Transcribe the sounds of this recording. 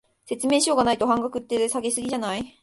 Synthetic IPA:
se̞t͡sɨme̞ːɕio̞ɡanait̪o̞hãŋɡakɯ̟t̪ːesaɡesɨɡʲiʑanai

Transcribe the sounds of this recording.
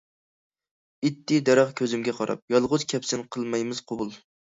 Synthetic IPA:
it̪ʰːɪd̪ɛɾɑχkʲʰøzɪmɡʲɛqʰɑɾɑ̰p̚jɑlˠʁʊt͡ʃ̪kʲʰɛpsɪnqʰəlˠmɛjmɪzqʰobʊlˠ

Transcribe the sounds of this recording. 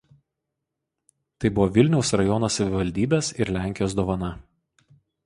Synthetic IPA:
t̪ɐɪbʊʋoːʋʲɪlʲnʲɛʊsɾɐjɔnoːsɐʋʲɪʋɐlʲd̪ʲiːbʲeːsɪɾlʲæˑŋʲkʲɪjoːsd̪oːʋɐnɐ

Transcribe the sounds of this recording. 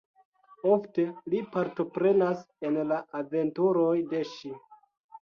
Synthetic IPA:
o̞fte̞lipaɾto̞pɾe̞nas | enlaʔave̞ntuɾo̞jde̞ʃi

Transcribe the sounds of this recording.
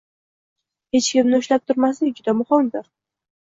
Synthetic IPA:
he̞t͡ʃkʲɪmnɪʊʃlap̚t̪ʰʊɾmasɪd͡ʒʊd̪amʊχɒnd̪ɒɾ

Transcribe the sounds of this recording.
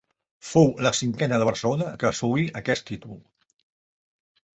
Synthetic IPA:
fowləsiŋkɛnəðəβ̞əɾsəlonəkəsuiʔəkɛst̪it̪ulˠ

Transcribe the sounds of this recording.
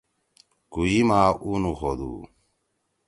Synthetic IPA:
kujimaːʔuːnuxoːd̪ṵː

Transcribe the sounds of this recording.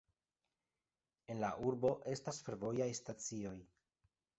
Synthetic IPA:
e̞nlaʔuɾbo̞ʔe̞stasfe̞ɾvo̞jajstat͡sio̞j

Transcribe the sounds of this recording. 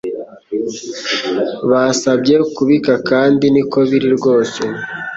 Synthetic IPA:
βasabɟe̞kuβikakaːndinikʰo̞βiɾiɾɡo̞ːse̞

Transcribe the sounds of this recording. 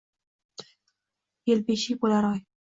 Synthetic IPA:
jelbeʃibolaɾɒj

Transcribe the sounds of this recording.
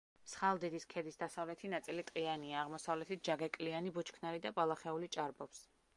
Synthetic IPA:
sχalˠd̪id̪iskʰɛd̪isd̪asavlɛt̪ʰinat̪sʼilit̪ʼqʼianiaːʁmɔsavlɛt̪ʰit̪̚d͡ʒaɡɛkʼlianibɔt͡ʃʰkʰnaɾid̪apʼalˠaχɛulit͡ʃʼaɾbɔps

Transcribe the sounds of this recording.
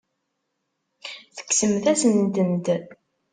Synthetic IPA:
θə̥kːsəmθæsənd̪ənd̪

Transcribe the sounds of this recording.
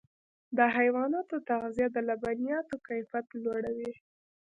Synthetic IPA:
d̪əɦajwɑnɑt̪ot̪aɣzijad̪əlabanijɑt̪okajfat̪lwaɽawi

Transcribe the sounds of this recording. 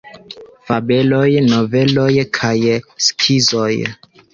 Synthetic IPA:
fabe̞lo̞jno̞ve̞lo̞jkʰajskʰizoj

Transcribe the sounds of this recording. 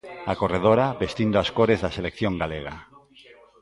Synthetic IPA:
akoreðoɾabest̪ind̪oaskoɾezðaselekθjõŋɡaleɣ̞a̰

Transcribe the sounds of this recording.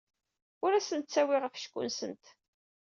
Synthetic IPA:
ʊɾæsənt̪t͡sːæwɪʁəfʃkʷːʊ̰nsənt̪

